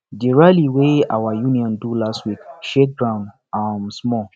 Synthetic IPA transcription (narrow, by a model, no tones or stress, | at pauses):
deɹaliwea̰wajũniɔ̃ndulastwikʃek̚ɡɹãʊ̃nd | amsmɔ